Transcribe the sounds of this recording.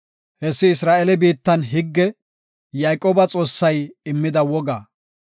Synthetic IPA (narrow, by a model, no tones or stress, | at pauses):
hɛsːɪɪsɾaːʔɛlɛbiːt̪ːɐnɦɪɡːɛ | jajkʼoːbɐt͡sʼo̞ːsːɐjɪmːɪd̪ɐwɔɡaː